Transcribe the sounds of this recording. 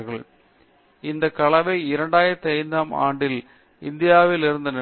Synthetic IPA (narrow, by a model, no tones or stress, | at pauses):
ɣɐɭ | ɪnd̪ɐkːɐɭɐʋɐɪɪɾɐɳɖaːjɪɾɐt̪ːɐɪnd̪aːma̰ːɳɖɪl | ɪnd̪ɪjaːʋɪlɪɾɯnd̪ɐnɐ